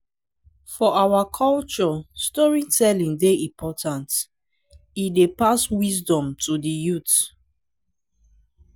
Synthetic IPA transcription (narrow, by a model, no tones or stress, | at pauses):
fɔawakʰɔlt͡ʃɔstɔɹitʰɛlĩŋdeĩmpʰɔtãnt | idepaswisdɔ̃mtʰudijut